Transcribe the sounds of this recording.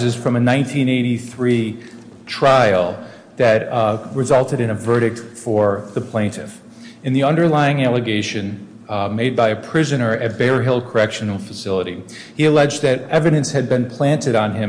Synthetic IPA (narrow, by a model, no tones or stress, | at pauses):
zɨz̥fɹʌ̃mɨnãɪ̃ntʰĩneɪɾiθɹi | tʰɹ̥aɪl̩ˠ | ðɨt̚ɹɨzʌlˠtɨɾɨ̃nɨvɜ˞ɾɨk̚tfə˞ðəpʰl̥ẽɪ̃ntʰɨf | ɨ̃nðiʌ̃ndə˞laɪɪ̃ŋælˠɨɡeɪʃɨ̃n | meɪd̚baɪɨpʰɹ̥ɪzɨnə˞ɨt̚b̥ɛɹɦɪlˠkʰə˞ɛkʃɨnl̩ˠfəsɪlˠəɾi | iɨlɛd͡ʒðɨɾɛvɨɾɨ̃nshɨd̚bɨ̃npʰl̥æ̃ntɨɾn̩ɪ̃m